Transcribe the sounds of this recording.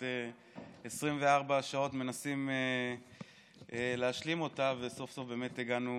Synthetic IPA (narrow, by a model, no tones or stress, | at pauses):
e | esʁimve̞aʁbaʃao̞tme̞nasime | leaʃlimo̞tave̞so̞fso̞fbe̞ːmet̪eɡanu